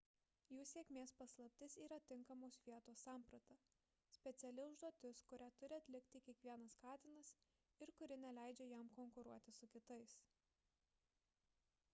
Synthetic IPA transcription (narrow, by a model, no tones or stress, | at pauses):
juːsʲeːkʲmʲeːspɐslˠɐp̚ʲt̪ʲɪsiːɾɐt̪ʲɪŋkɐmoːsʋʲiɛt̪oːsɑːˑmpɾɐt̪ɐ | sʲpʲɛt̪sʲɛlʲɪʊʒd̪uɔt̪ʲɪskʊɾʲæt̪ʊɾʲɪɐt̪ʲlʲɪkʲt̪ʲiːkʲiɛkʋʲiɛnɐskɑːt̪ʲɪnɐs | ɪɾkʊɾʲɪnʲɛlʲæˑɪd͡ʒʲeːjɛmkɔŋkʊɾuɔt̪ʲɪsʊkʲɪt̪ɐɪs